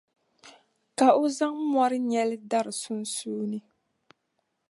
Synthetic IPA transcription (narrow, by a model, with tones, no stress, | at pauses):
ka˨o˦za˦ŋmɔ˦ɾɨ˦ɲɛ˦lɪ˦da˦ɾɨ˨su˦n˦suː˦nɨ˦